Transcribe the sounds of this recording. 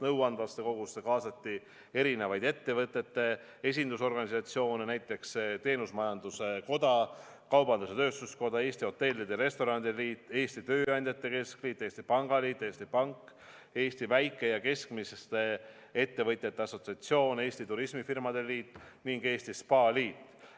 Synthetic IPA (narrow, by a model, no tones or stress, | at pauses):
nɤwɑnvɑst̪e̞ko̞ɡ̥usːekɑːsɑt̪ʲːi | e̞ɾine̞vɑjd̪e̞t̪ːe̞vɤt̪ːˑe̞t̪ːe̞ | e̞s̬ʲind̪uso̞rɡ̥ɑnisɑt̪sio̞ːnenæjt̪ːˑe̞kst̪e̞ːnusmɑjɑnd̪̥use̞ko̞d̪ɑ | kɑwbɑnd̪use̞t̪øːst̪usko̞d̪ɑe̞ːsʲt̪io̞t̪ːe̞lʲːid̪eɾe̞st̪o̞ɾɑnd̪iliːt̪ːˑe̞ːsʲt̪it̪ø̞ːɑnʲd̪̥ʲet̪ːe̞ke̞skliːt̪ːˑeːsʲt̪ipɑŋɡ̥ɑliːt̪ˑːeːsʲt̪ipɑŋkː | e̞ːst̪ivæjkːˑe̞jɑke̞skmisest̪e̞ | e̞t̪ːe̞vɤjt̪ʲːˑet̪ːe̞ɑso̞t̪siɑt̪sio̞ːne̞ːsʲt̪it̪uɾismifirmɑd̪̥e̞liːt̪ːˑniŋɡe̞ːsʲt̪ispɑːliːt̪ːˑ